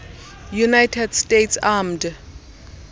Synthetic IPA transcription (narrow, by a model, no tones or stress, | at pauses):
junajtʰɛdstʼetʰsamd